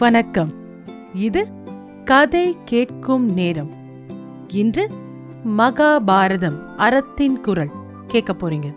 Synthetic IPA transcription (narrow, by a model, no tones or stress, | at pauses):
ʋɐnɐkːɐm | ɪðɯ | kɐðɐɪkeːʈkɯmneːɾɐm | ɪndrɯ | mɐɣaːbʱaːɾɐðɐmʔɐɾɐt̪ːɪnkʊɾɐɭ | keːʈ̚kɐpːoːɾiŋɡɐ